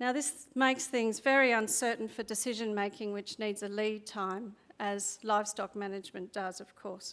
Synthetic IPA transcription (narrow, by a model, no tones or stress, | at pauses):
naʊðɪsmeɪksθɪ̃ŋzvɛɹiə̃nsɜ˞ʔn̩fə˞dɨsɪʒɨ̃nmeɪkʰɪ̃ŋwɨt͡ʃnidzɨlid̚tʰãɪ̃mɨz̥laɪv̥stɑk̚mænɨd͡ʒmɨ̃nd̥ʌzʌv̥kʰɔɹs